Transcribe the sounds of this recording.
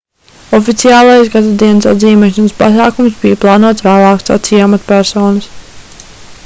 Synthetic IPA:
ɔfit̪siaːlˠajsɡad̪ad̪iɛnəsa̰d̪ziːmɛʃanəspa̰saːkumsbijplˠɑːnuɔt̪svæːlˠɑːkst̪a̰t̪sijamat̪pæɾsɔːnɐs

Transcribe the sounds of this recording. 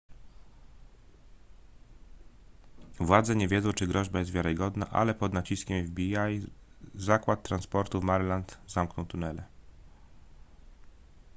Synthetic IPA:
vwad̪zɛɲɛvʲjɛd̪zɔ̃w̃t͡ʂɘɡɾɔʑbajɛst̪vʲjaɾɘɡɔd̪na̰ʔa̰lɛpɔd̪nat͡ɕiskʲɛmvbʲiajzakwat̪ːɾanspɔɾt̪uvmaɾlant̪zamknɔ̃wt̪unɛlɛ

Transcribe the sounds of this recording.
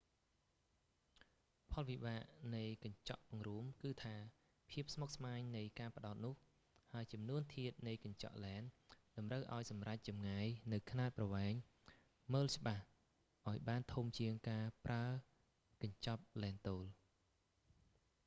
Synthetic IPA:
pʰɑlʋiɓaːʔnɨjkɑɲt͡ɕɑʔpʊŋruəmkɨːt̪ʰaː | pʰiəp̚smok̚smaːɲnɨjkaːpə̆ɗaɔt̪̚nʊ̆əh | haəjt͡ɕɑmnuənt̪ʰiət̪̚nɨjkɑɲt͡ɕɑ̰ʔlaɛnɗɑmrəwʔaɔjsɑmrac̚t͡ɕɑmŋaːjnɨwkʰnaːt̪̚prɑʋaɛŋ | məːlt͡ɕə̆ɓah | ʔaɔjɓaːnt̪ʰumt͡ɕiəŋkaːpraə | kɑɲt͡ɕɑp̚laɛnt̪oːl

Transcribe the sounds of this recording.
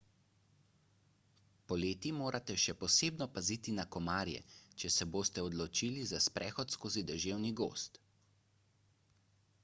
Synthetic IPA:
pɔleːt̪imoːɾʔat̪ɛʃɛpɔseːbnɔpaziːt̪inakɔmaːɾjɛ̰t͡ʃɛsɛboːst̪ɛɔd̪lɔt͡ʃiːlizaspɾʔɛːxɔt̪skoːzid̪ɛʒeːwniɡo̰ːst̪

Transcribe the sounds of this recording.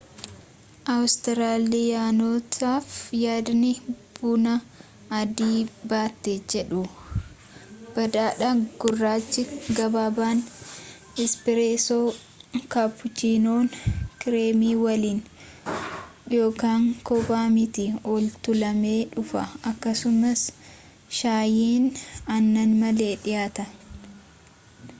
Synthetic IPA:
ʔɐwst̪ɪɾaːlːɪjaːnoːt̪ʰaːfjaːd̪nɪb̥unɐ | ɐd̪iːbaːt̪ːeːd͡ʒɛᶑʊ | b̥ɐd̪aːᶑɐɡ̥ʊrːaːt͡ʃːɪɡɐbaːbaːn | ɪspɪɾeːsoː | kapːʊt͡ʃiːnoːnkɪɾeːmiːwɐliːn | jo̞ːkaːŋkɔbaːmɪt̪ɪɔlt̪ʊlɐme̞ːᶑʊfɐɐkːɐsʊmɐs | ʃaːjiːnɐnːɐnmɐle̞ːᶑɪjaːt̪ɐ

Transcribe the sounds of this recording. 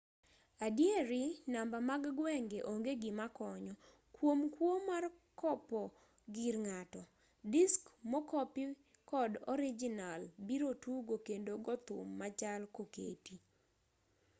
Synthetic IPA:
adjeɾɪnambamaɡɡwɛŋɡeʔoŋɡeɡɪmakɔɲɔ | kwomkwomarkɔpɔ | ɡiɾŋatɔ | dɪskmɔkɔpɪ | kɔdɔ̰ɾid͡ʒɪnalbiɾotuɡokendoɡɔt̪ʊmːat͡ʃalkokḛti

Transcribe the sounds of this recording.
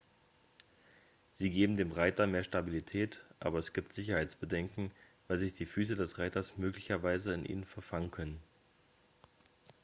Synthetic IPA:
z̥iːɡeːbm̩deːmʁaɪtɐmeːɐʃtabilitʰɛːtʔa̰ːbɐɛsɡ̥iːp̚tz̥ɪçɐhaɪt͡sb̥ədɛŋkŋ̩vaɪlzɪçd̥iːfyːs̬ədɛsʁaɪtɐsmøːklɪçɐvaɪzəɪnʔḭːnənfɛɐfaŋənkʰœnən

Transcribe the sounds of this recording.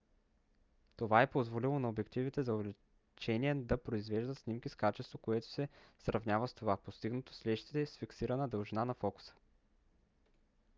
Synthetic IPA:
t̪ovaɛpozvolilˠonɐobɛkt̪ivit̪ɛzɐovɛli | t͡ʃɛniɛd̪ɐpɾoizvɛʒd̪ət̪snimkʲiskat͡ʃɛst̪vokoɛt̪o̥sɛsɾʔɐvnʲavəst̪ovapost̪iɡnɐt̪o̥slɛʃt̪i̥t̪ɛsfiksiɾənəd̪əlˠʒinanɐfɔkʊ̥sə̥

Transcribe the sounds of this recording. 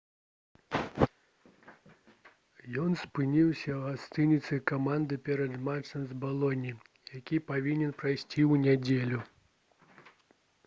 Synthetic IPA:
jɔnspɨnʲiwsʲɐɣast̪ɨnʲit̪sɨkamand̪ɨpʲɛɾɐd̪mat͡ʂɐmzbalˠɔnʲi | jakʲipavʲinʲɛnpɾajsʲt͡sʲiwnʲɛd͡zʲelʲu

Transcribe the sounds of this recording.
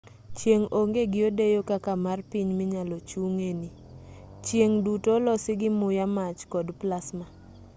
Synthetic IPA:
t͡ʃjeŋoŋɡeɡɪodejokakamarpiɲmɪɲalot͡ʃuŋeni | t͡ʃjeŋdutolɔsɪɡɪmʊjamat͡ʃkɔdplasma

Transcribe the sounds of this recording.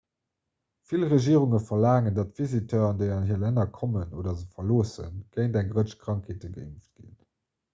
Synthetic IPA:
filʁəʒiːʁuŋəfɐlaːŋəndɑtv̥izitɐɑndeɪɑnɦiːɐlænɐkʰɔmənoːdɐzəfɐloːsə̰nɡ̥ɜɪndæŋɡʁəʃkʁ̥ɑŋkʰeːtəɡə̰ḭmft̚ɡ̥ḭn

